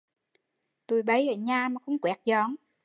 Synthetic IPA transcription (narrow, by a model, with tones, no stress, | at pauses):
t̪u˨˩jɓə˨˦jʔəː˨˩ɲaː˧˩maː˨˩xə˧wŋ͡mkwɛ˨˥k̚zɔ˨˦ŋ